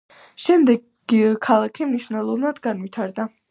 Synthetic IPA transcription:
ʃɛmd̪ɛɡ | ikʰalˠakʰimniʃvnɛlˠɔnad̪ɡanvit̪ʰaɾd̪a

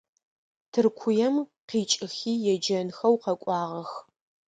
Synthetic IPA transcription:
tʰɨrkʷʰʊjɛmqiːt͡ʃʼɪxiːjɛd͡ʒɐnxɐwqɐkʷʼɑːʁɐx

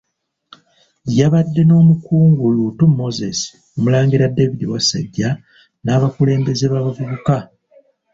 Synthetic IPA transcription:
jaβadːe̞no̞ːmukuːŋɡulutumːo̞zesi̥ | omulaːŋɡiɾadːevidiwasa̰ɟːa | naːβakule̞ːmbe̞zeβaβavuβuka

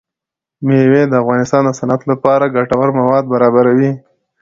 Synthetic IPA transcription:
mewed̪əafɣɑnɪst̪ɑnd̪əsanat̪lapɑɾaɡaʈawaɾmawɑd̪̚baɾɑbaɾawi

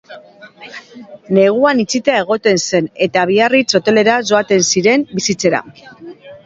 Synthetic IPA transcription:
ne̞ɣ̞uanit͡sit̪eae̞ɣ̞o̞t̪e̞nse̞ne̞t̪aβ̞iarit͡so̞t̪e̞le̞ɾaso̞at̪e̞nsiɾe̞mbisit͡se̞ɾa̰

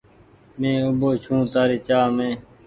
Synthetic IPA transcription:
mẽːʊboːt͡ʃʰũːt̪aːɾiːt͡ʃaːmẽː

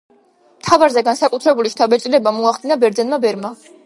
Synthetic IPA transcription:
mt̪ʰavaɾzɛɡansakʼut̪ʰɾɛbuliʃt̪ʰabɛt̪sʼilɛbamɔaχd̪̥inabɛɾd̪zɛnmabɛɾma

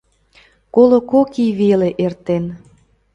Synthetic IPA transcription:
kolokokiβeleʔert̪en

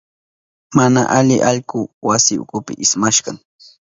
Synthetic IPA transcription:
mana̰ʔaʎɪʔɑʎkʊwasɪʊ̰kʊpɪʔɪsmaʃɢɑŋ

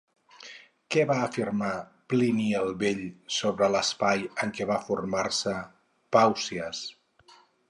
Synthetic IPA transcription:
kɛβaəfirma | pliniəlˠβeʎsoβɾələspajəŋkɛβafurmarsə | pawsiəs

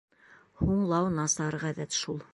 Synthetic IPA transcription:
huɴlˠɑwnɑsɑɾʁæðæt̪ʃulˠ

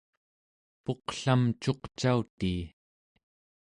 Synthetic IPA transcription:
po̞qɬamt͡ʃo̞qt͡ʃaut̪iː

